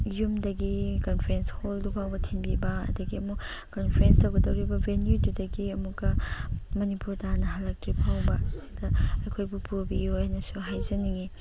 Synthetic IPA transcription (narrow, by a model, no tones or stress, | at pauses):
jumdɐɡikonpʰɐɾensholdupʰawbɐtʰinbibɐɐ̰dɐɡiɐmu | konpʰɾenstɐwɡɐdɐwɾibɐbʱenjududɐɡiɐmukɐmɐnipuɾtanɐɦɐlːɐk̚tɾipʰawbɐsi̥dɐɐkʰojbupubijujnɐsuɦajzɐniŋi